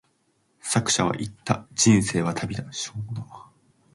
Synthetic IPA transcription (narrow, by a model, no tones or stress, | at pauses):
sakɯ̟̥ɕaβa̰ʔit̪ːad͡ʑĩɰ̃se̞ːβat̪ʰabʲid̪aɕoːd̪